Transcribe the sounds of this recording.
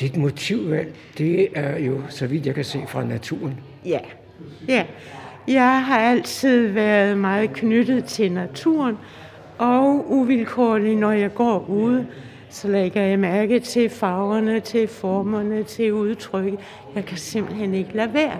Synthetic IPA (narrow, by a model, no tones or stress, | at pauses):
d̥id̥mo̝t͡sʰiʊ̰ʋæn̰ | d̥e̝æɐjo̝sɒ̽ʋid̥jɑ̈ɪkʰæse̝̰ːfʁɑ̈næt͡sʰuɐn | jæ | jæ | jɑ̈ɪɦɑ̈æl̰t͡sʰið̰ˠʋæɐð̞̩ˠmɑ̈ːð̩ˠkʰnød̥ð̩ˠt͡sʰe̝lnæt͡sʰṵɐn | ʔɒ̽ʊuʋilkʰo̰ːlinɒjɑ̈ɪɡ̥ɒ̰ːuðˠə | sɒ̽leɡ̥ɐjɑ̈ɪmæɐɡ̥ət͡sʰe̝fɑ̈ʊɐnət͡sʰe̝fɒːmɐnət͡sʰe̝uð̞ˠt͡sʰʁœɡ̥ə | jɑ̈ɪkʰæse̝m̰b̥l̩ɦene̝ɡ̥əlæʋeːɐ